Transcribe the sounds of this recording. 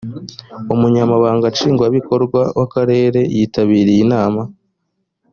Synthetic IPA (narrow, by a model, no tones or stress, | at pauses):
umuɲamaβaːŋɡat͡ʃiːŋɡwaβiko̞ɾɡwawʔakaɾe̞ːɾe̞jiːtaβiːɾejinaːma